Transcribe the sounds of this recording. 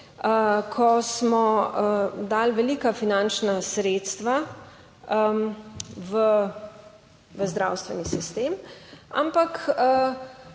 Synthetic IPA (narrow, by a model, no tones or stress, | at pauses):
əkʰɔsmɔ | d̪alʋɛliːkafinant͡ʃnasɾeːt̪st̪ʋa | ʋə | ʋəzd̪ɾa̰wst̪ʋɛnisist̪eːma̰mpakə